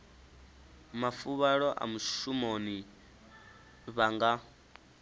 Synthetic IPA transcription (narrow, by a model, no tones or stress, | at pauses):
mafuβaɺɔʔa̰muʃumoni | βaŋɡa